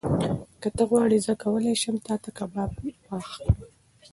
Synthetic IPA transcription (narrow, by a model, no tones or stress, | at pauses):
kət̪əɣwɑɽizəkawəlajʃəmt̪ɑt̪akabɑbwɑx